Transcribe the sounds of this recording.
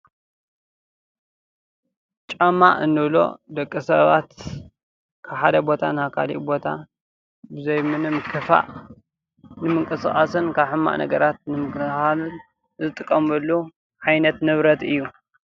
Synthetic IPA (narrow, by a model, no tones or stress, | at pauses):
t͡ʃʼɐmːa̰ʔɨnːɨβlo̞̰d̪ɐkʼːisɐβa̰t̪ | kʰaβħad̪ɐbo̞t̪ʰa̰nhakʰa̰lḭʔbo̞t̪ʰa̰ | bɨzɐjmɨnɨmkʰɨfa̰ʔ | nɨmɨŋkʼɨsχʼɐsɨnkʰaβħɨmːa̰ʔnʔɐ̰ɡɐɾat̪̚nɨmɨknɨxalɨn | zɨt̪ʼɨkʼːɐmbɐlːu | ʕajnɐt̪nɨβɾɐt̪ɨjːu